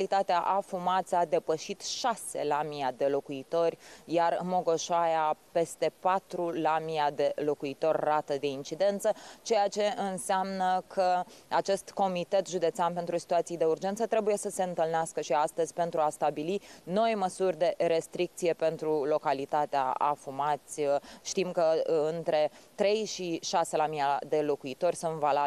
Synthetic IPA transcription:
lit̪at̪eaʔafumat̪sad̪e̞pəʃit̪ʃase̞̰lamiad̪e̞lo̞kuit̪o̞rʲjarmo̞ɡo̞ʃoajape̞st̪e̞pat̪ɾulamiad̪e̞lo̞kuit̪o̞rʲrat̪əd̪e̞int͡ʃid̪e̞nt̪sət͡ʃe̞jat͡ʃe̞ɨnseamnəkʰəat͡ʃe̞st̪ko̞mit̪e̞t̪ʒud̪e̞t̪seanpe̞nt̪ɾusi̥t̪uat̪sijd̪e̞urd͡ʒe̞nt̪sət̪ɾe̞buje̞səse̞ɨnt̪ɨlneaskəʃiast̪əzʲpe̞nt̪ɾuast̪abilino̞jməsurʲd̪e̞ɾe̞st̪ɾik̚t̪sije̞pe̞nt̪ɾulo̞kalit̪at̪ea̰a̰fumat̪sʲʃt̪imkəɨnt̪ɾe̞t̪ɾe̞jʃiʃase̞lamiad̪e̞lo̞kuit̪o̞rʲsunt̪valab

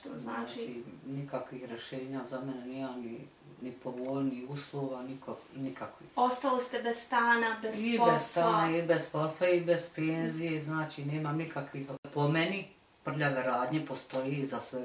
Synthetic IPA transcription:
t̪znaːt͡ʃt͡ʃinikakʋixɾjeʃe̞ːɲazameneneːmamni | nipo̞ʋolniuːslˠoːʋanikʰo | nikakʋixost̪alost̪ebez̥st̪aːnabezibest̪aːnaibe̞zposlˠaibez̥peːnzijeznaːt͡ʃineːmamnikakʋixpomeni | pr̩ʎaʋeɾaːd̪ɲepo̞st̪o̞jezasʋe

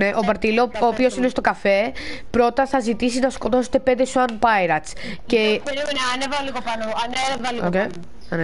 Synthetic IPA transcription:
ne̞ʔobɐɾt̪ilooːpio̞sine̞st̪o̞kɐfe̞pɾo̞t̪ɐθɐzit̪isinɐsko̞t̪o̞se̥t̪e̞pend̪esuɐnpɐjɾɐsce̞ɐnevɐliɣopɐnuɐnevɐlioke | ɐn

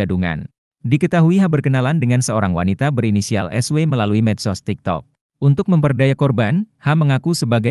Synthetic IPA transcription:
aduŋa̰n | dikət̪aɦuiɦabərkənalandəŋansəoɾaŋwa̰nit̪abəɾinisia̰lʔɛ̰sweməlaluimɛdsɔst̪ik̚t̪ɔ̰k̚ | ʔunt̪ʊk̚məmpərdajakɔrbanhaməŋakusəbaɡa

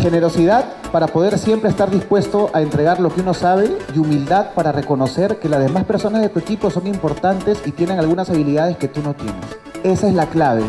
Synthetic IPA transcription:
xe̞ne̞ɾo̞siðað | paɾapo̞ð̞e̞ɾsje̞mpɾeːst̪aɾðispwe̞st̪o̞ʔae̞nt̪ɾe̞ɣ̞aɾlo̞keuno̞saβ̞e̞umild̪að̚paɾare̞ko̞no̞se̞ɾke̞lazðe̞maspe̞ɾso̞nazðe̞t̪ue̞kipo̞so̞ŋimpo̞ɾt̪ant̪e̞sit̪je̞ne̞ŋalɣ̞unasaβ̞iliðað̞e̞ske̞t̪uno̞t̪je̞̰ne̞̰s | e̞saezlaklaβ̞e̞̰

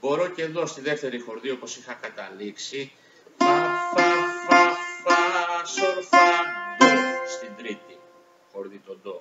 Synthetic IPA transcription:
bo̞ɾo̞ce̞ðo̞st̪iðe̞ft̪e̞ɾixo̞ɾðio̞po̞sixɐkɐt̪ɐliksi | ɐfɐfɐfɐsofɐnlost̪ind̪ɾit̪i | xo̞ɾðit̪o̞nd̪o̞

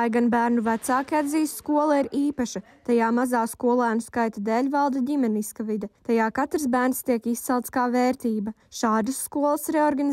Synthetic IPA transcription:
ajɡanbæːɾnuvæt̪saːkʲiad̪ziːsskuɔlˠaiɾiːpaʃɐ | t̪ajaːmazaːskuɔlˠæːnuskajt̪ad̪eːlʲvalˠd̪ɐdʲimɛniskavid̪ɛt̪ajaːkat̪ɾsbæːɾnst̪iɛkist̪ɛlˠt̪skaːveːɾt̪iːbɐʃaːd̪ɨsːkuɔlˠsɾɛɔɾɡan

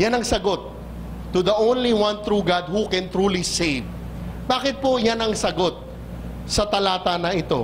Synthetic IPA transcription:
janɐŋsɐɡo̞t̪ː | ud̪ɐʔõwnliwɐ̃nt̪ɾuɡad̪̚hukɛ̃nt̪ɾuːlisejv | baːkɪt̪̚po̞janɐŋsɐɡo̞t̪̚ | sɐt̪ɐlaːt̪ɐnɐɪt̪o̞̰

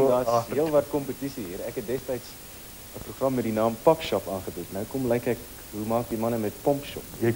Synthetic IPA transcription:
dɑːiəlˠvɐrt̚kɔmpətisiɦiːɾɛkɦɛt̚dɛstəjts | əpruχrɐmːɛdinɑːmpɐkʃɔpɑːnχəbutnəwkɔmlɛjkɛk | ɦumɑːk̚dimɐnəmɛt̚pɔmpʃɔ̰p

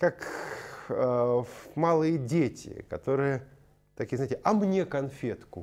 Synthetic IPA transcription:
kak | malˠɨjədʲetʲʰɪ̰kɐt̪o̞ɾɨjə | t̪ɐkʲiəzaɪtʲɪʔɐmnʲekɐnfʲet̪kʊ

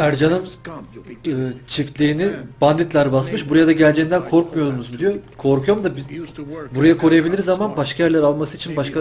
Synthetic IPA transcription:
æɾd͡ʒanɯn | ɯːt͡ʃʰift̪lʲiːinib̥and̪it̪lʲaɾbasmɯʃbuɾajad̪aɟælʲd͡ʒɛind̪ænkʰo̞ɾkmujo̞ɾunuzmd̪ijo̞kʰo̞ɾkʰujomd̪ab | buɾajakʰo̞ɾujabilʲiɾzamanbaʃkʰajæɾlʲæɾalˠmasɯit͡ʃʰinbaʃkʰa

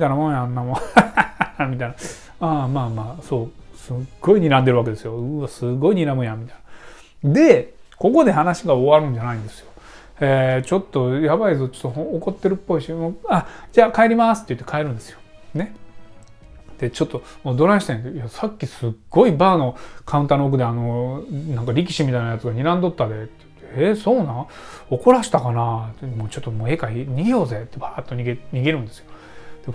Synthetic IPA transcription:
it̪ainamonjanːamo | mʲit̪aina | amaːmaːso̞ːsɨɡ̥ːo̞iɲiɾãnd̪e̞ɾɯ̟ake̞d̪e̞sɨjo̞ɯasɨɡo̞iɲiɾamɯ̟jamʲit̪ain̥a | d̪e̞ko̞ko̞d̪e̞ɦanaɕiɡao̞βaɾɯ̟̃ɲ̟d͡ʑanaĩnd̪e̞sɨjo | et͡ɕo̞t̪ːo̞jabaizot͡ɕo̥t̪ːoɦõoko̞t̪ːe̞ɾɯ̟pːo̞iɕimoːad͡ʑaːkae̞ɾʲimasɨ̥t̪ːejɯ̟t̪ːe̞kʰae̞ɾɯ̟̃nd̪e̞sɨjo̞ | ne̞ | d̪̥e̞t͡ɕo̞t̪ːo̞moːd̪o̞ɾãɕi̥t̪ẽnd̪ejasakʲːisɨɡ̥ːo̞ibaːno̞kʰaɯ̟nt̪anook̬ɯ̟d̪eano̞nãŋkaɾʲik̬ʲi̥ɕimʲit̪ainajat͡sɨɡaɲ̟iɾãnd̪o̞t̪ːad̪e̞t̪ːejɯ̥t̪ːeeso̞ːnã | o̞ko̞ɾaɕi̥t̪akanat̪moːt͡ɕo̞t̪ːomoːe̞ːkaiɲ̟iɡʲejo̞ːze̞t̪ːebaːt̪ːoɲʲiɡeɲ̟iɡeɾɯ̟̃nd̪esɨjo | d̪̥e

